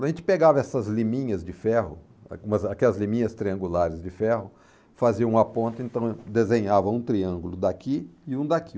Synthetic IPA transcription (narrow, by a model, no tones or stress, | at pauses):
ɐʒẽnt͡ʃɪ̥peɡavɐɛsɐzlimĩɲɐzd͡ʒɪfɛhʊ̰ | ũmɐzakɛlɐzlĩmĩɲɐst̪ɾiɐ̃ŋɡulaɾɪzd͡ʒɪfɛhʊ | faziɐ̃ũapõnt̪ʊẽnt̪ɐ̃w̃d̪ezẽɲavɐũt̪ɾiɐ̃ŋɡulʊd̪akiɪũd̪aki